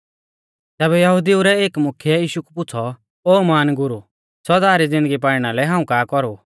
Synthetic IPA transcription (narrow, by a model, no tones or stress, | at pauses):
t̪ɛːbɛjɐɦʊd̪iuɾɛeːkmʊkʰjɛjiːʃukupʊt͡sʰɔ | oːmaːnɡʊɾu | sɔd̪aːɾid͡zɪ̃nd̪əɡip̬aːɽɽ̃alɛɦãːũkaːkɔɾu